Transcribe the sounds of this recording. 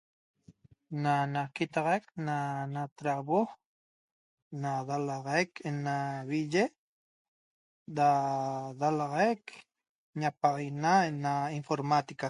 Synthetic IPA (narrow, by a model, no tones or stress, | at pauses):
nanakit̪ɑʁɑjk̚nanat̪ɾaβo | naðalɑʁɑjkʰenaβiʒe | daðalɑʁɑjk | ɲapaʁinaenainfoɾmat̪ika